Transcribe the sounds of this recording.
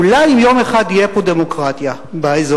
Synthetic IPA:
ulajimjo̞meχad̪ijepod̪emokʁat̪ja | baezo

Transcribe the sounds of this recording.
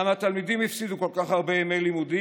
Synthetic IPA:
amat̪almid̪imhifsid̪uko̞lkaχhaʁbe̞jemelimud̪i

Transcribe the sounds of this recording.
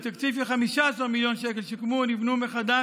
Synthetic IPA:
t̪akt͡sifleχamiʃaasaʁmiljo̞nʃeke̞lʃekmunivnumeχad̪a

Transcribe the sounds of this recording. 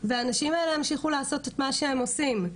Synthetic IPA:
veaːnaʃimaeleamʃiχulaːso̞tetmaʃeemo̞sim

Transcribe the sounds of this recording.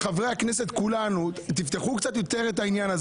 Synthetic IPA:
χavʁejhakneset̪kulanut̪ift̪eχukt͡sat̪jo̞t̪e̞ʁet̪ainjanaz

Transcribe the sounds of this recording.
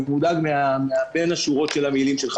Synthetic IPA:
mudaɡmeameabe̞naʃuʁo̞tʃelamilimʃelχ

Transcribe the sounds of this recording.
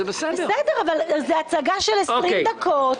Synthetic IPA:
ɛbesɛeɛd̪eʁavalzeat͡saɡaʃelesoʁid̪akʰot

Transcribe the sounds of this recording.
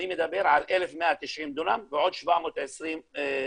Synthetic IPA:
nimed̪abeɾʕalʔelefmeʔat̪iʃʕimd̪unamveʕod̪ʃvamot̪ʕesɾim

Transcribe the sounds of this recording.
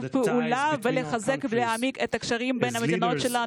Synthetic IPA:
vpeulaveleχazekbleamiket̪akʃaʁimbejnhamet̪ino̞t̪ʃela

